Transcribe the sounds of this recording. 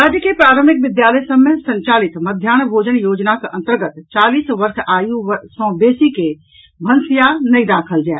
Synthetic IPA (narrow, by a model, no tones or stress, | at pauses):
ɾad͡ʒəkepɾaɾəmik̚bid̪jalɛsəbmesəɲt͡ʃalit̪məd̪ʱjanbʱod͡ʒənjod͡ʒnakeʔə̃nt̪əɾɡət̪t͡ʃalisʋəɾsajusə̃besike | bʱənsijanəjd̪akʰəld͡ʒaet̪